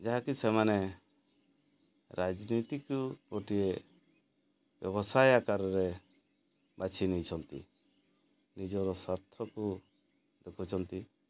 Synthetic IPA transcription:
d͡ʒaɦakisɛmanɛ | ɾʔad͡ʒnit̪ikuɾoʈie | b̥jɔbɔsajakaɾɾɛ | bat͡ʃʰinijt͡ʃʰɔnt̪ḭ | nid͡ʒɔɾɔsɔɾt̪ʰɔku | d̪ɛkʰut͡ʃʰɔnt̪i

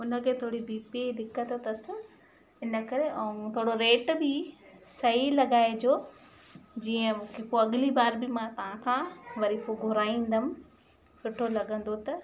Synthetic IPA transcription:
ʊnə̆kʰeːt̪ʰoːɽibiːpid̪ɪkːət̪t̪ɐsɪ̆ | ɪnə̆kɐɾeʔɐũt̪ʰoːɽoɾeːʈbɪsɐɦilɐɠaːed͡ʑoː | d͡ʑiːə̃ũkʰekoɐɠɪlibaːɾbɪmãt̪ɐʋ̤ãkʰãːʋɐɾiːfoɡʱʊɾaːĩːn̆d̪əm̆ | sʊʈʰolɐɠə̃n̆d̪ot̪ɐ

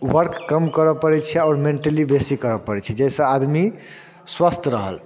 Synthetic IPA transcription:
wəɾkːəmkəɾɔpəɾɛt͡ʃʰɛɔːɾmeɳʈəlibesikəɾɔpəɾɛt͡ʃʰɛd͡ʒesə̃ad̪mi | swast̪ʰɾəɦə̰l

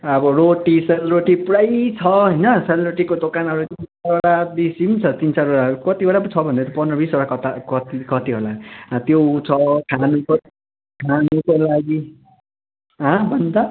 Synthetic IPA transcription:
ʌbʌɾoʈiselroʈipɽajt͡sʰʌɦʌjnʌselroʈikod̪okanʌɾut̪int͡saɾoɽabisimt͡sʰʌt̪int͡saɾoɽaɾukʌt̪ioɽapʌt͡sʰʌbʱʌnd̪at̪ʌpʌnrʌbisoɽakʌt̪akʌt̪ikʌt̪iɦolat̪jot͡sʰʌkʰanuko | kʰanukolaɡi | ɦʌ̃bʱʌnd̪a

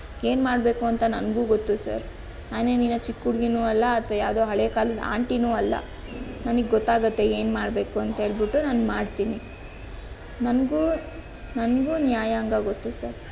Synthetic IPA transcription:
e̞ːnmaːɽbe̞ːkuɐnt̪ɐnɐnɡuːɡot̪ːusɐ̰ɾ | naːne̞ːniːnɐt͡ʃikːuɽɡinuːɐlːɐːt̪ʰʋɐjaːd̪oːɦɐɭeːkaːlid̪a̰ːɳʈinuːɐlːɐ̰ | nɐnɨɡeɡɔt̪ːaːɡɐt̪ːe̞eːnmaːɽbe̞ːkuɐnt̪ɐɦe̞ːɭbiʈːunaːnmaːɽt̪iːni | nɐnɡuː | nɐnɡuːnjaːjaːŋɡɐɡot̪ːusɐɾ

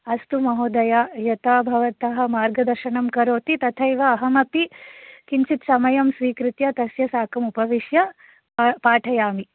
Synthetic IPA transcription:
ɐst̪umɐɦoːd̪ɐjaːjɐt̪abʱɐʋɐt̪ɐɦɐ̆maːɾɡɐd̪ɐɾʃɐɳɐmkɐɾoːt̪it̪ɐt̪ʰɐjʋɐːɦɐmɐpikint͡ʃit̪sɐmɐjɐmsʋiːkɾit̪jɐt̪ɐsjɐsaːkɐmupɐʋiʃjɐ | paːʈʰɐjaːmi

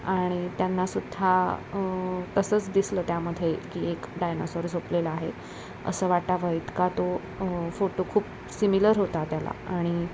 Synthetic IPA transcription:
aɽ̃it̪janːasud̪ʱːa | t̪əsəːt͡sd̪isləːt̪jaməd̪ʱjekiːekɖajnosoɾd͡zʱopleləaɦe | ə̰səːʋaʈʈaʋəjt̪kat̪o | foʈokʰuːp | similəɾɦot̪at̪jala̰aɽ̃i

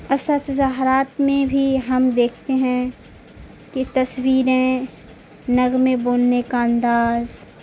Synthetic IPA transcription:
ɐsət̪zaːɦɾaːt̪mẽbʱiɦɐmd̪eːkʰt̪eɦɛ̃ | ket̪ɐswiːɾẽ | nɐɣmẽboːlnekaə̃nd̪aːz

